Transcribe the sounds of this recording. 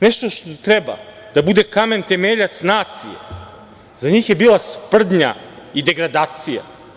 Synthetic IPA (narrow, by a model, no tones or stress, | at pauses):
nɛʃt̪oʃt̪ot̪ɾɛba̰ | d̪̥abud̪ekame̞nt̪e̞meʎat̪snaːt̪sije | zaɲiːxjebiːlˠaspr̩d̪ɲa̰id̪e̞ɡɾad̪aːt̪sija̰